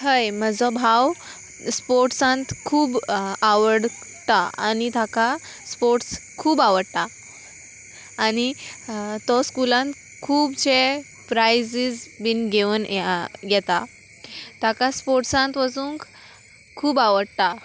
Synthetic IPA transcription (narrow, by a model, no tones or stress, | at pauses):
ɦəjməd͡zɔbʱaw | spoɾʈsãnt̪kʰuːbaʋəɽ | t̪aa̰nit̪aka | spoɾʈskʰuːbaʋəɽt̪a | ñi | t̪ɔskulãnt̪ | kʰuːbt͡ɕe | pɾajd͡zid͡zbinɡeʋənɡɛt̪a | t̪akaspoɾʈsãnt̪ʋəd͡zũːŋk | kʰːuːbaʋəɽt̪a